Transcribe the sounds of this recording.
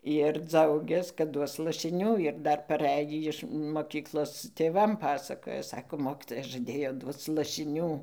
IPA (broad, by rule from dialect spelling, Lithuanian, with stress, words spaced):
ɪr ˈd͡zɐʊɡʲɛs kɐt ˈduɔs lˠɐʃʲɪˈnʲuː ɪr ˈdɐr pɐˈrʲæjiː ɪʃ moːˈkʲiːklˠoːs tʲeːˈʋɐm ˈpɑːsɐkoːjɛ ˈsɑːkoː ˈmoːkʲiːtoːjɛ ʒɐˈdʲeːjoː ˈduɔt͡s lˠɐʃʲɪˈnʲuː